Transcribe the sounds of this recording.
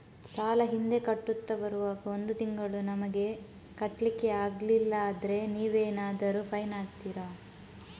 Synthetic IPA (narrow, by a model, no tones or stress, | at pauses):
saːlɐɦind̪e̞kɐʈːut̪ːɐbɐɾuʋaːɡɐo̞nd̪ut̪iŋɡɐɭunɐmɐɡe̞ | kɐʈlikeaːɡlilːɐːd̪ɐɾe̞niːʋeːnaːd̪ɐɾupʰɐjnaːɡt̪iːɾa